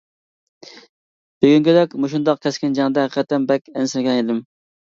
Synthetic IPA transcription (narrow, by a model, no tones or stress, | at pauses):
b̥eɡʲyŋkʲød̪ɛkʲmoʃund̪ɑq̚kʲʰɛskʲɪnd͡ʒɑŋd̪ɛɦæiqʰɛt̪ːɛmbɛkʲɛnsɪlɪɡʲɛned̪ɪm